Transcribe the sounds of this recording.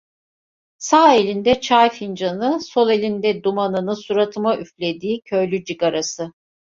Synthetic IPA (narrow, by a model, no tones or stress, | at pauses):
saːelʲind̪ɛt͡ʃʰajfind͡ʒanɯso̞lˠe̞lʲind̪ɛd̪umanɯnɯsuɾat̪ʰɯmaʔyflʲe̞d̪iːcʰø̞jlʲyd͡ʒiɡaɾasɯ